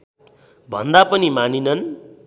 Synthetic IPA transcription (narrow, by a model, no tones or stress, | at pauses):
bʱʌnd̪apʌnimaninʌn